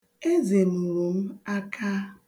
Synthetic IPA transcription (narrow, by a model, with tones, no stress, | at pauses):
e˦ze˨mu˨ɾu˨m̩˦a˦kʰa˦